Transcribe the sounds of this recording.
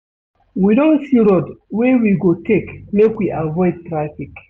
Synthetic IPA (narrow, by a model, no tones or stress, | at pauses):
widɔ̃nsiɾɔdwewiɡotekmekwiʔavɔjd̚tɾafik